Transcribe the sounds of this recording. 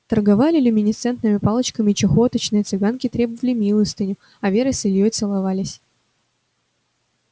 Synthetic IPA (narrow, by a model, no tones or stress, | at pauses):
t̪ərɡɐvalʲɪlʲʊmʲɪnʲɪt̪sɛnt̪nɨmʲɪpɑlˠət͡ɕkəmʲɪt͡ɕɪxot̪ət͡ɕnɨjət̪sɨɡankʲɪt̪ɾʲebəvəlʲɪmʲilˠəst̪ɨnʲʊ | ɐvʲeɾəsʲɨlʲjojt̪sɨlˠɐvalʲɪsʲ